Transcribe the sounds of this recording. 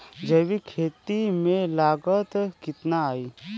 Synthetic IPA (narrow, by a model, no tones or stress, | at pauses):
d͡ʒɐbikʰeːt̪imẽlaːɡət̪kɪt̪naaːiː